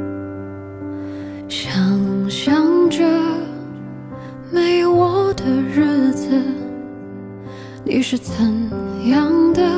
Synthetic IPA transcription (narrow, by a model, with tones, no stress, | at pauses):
ɕjɑ˨˩ŋɕjɑ˥ŋʈ͡ʂə˧ | me˧˥˩ɪwɔ˨˥˦d̪ə˧ɻ̩˥˧d͡z̩˧ | nḭ˧˥ʂɻ̩˥˩t͡sʰə˧˥ŋjɑ˥˧˥ŋd̪ə˧